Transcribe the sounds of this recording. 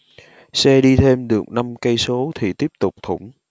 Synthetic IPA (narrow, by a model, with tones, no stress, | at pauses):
sɛ˧ɗi˧t̪ʰe˧mɗɨ˨˩ək̚na˧mkə˧jso˨˦t̪ʰi˨˩t̪i˦˥əp̚t̪ʊ˨˩k͡p̚t̪ʰʊ̰˧˩ŋ͡m